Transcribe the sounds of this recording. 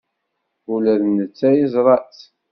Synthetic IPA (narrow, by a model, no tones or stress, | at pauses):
ulæðnət͡sːæjəzˤɾˤɑt͡s